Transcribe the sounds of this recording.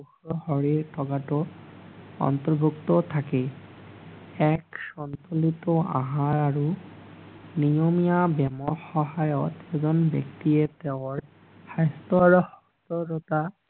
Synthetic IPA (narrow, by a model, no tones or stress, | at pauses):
uxɹɔhɔɹiɹtʰɔɡatɔ | ɔ̰ntɔɹbʱuktɔtʰakɛ | ɛksɔntɔlitɔã̰ɦãɹaɹu | nijɔmijabɛmɔɹxɔɦajɔtɛzɔnbjɔ̰ktiɛtɛʊɔɹ | xajstɔɹuhɔstɔɾɔta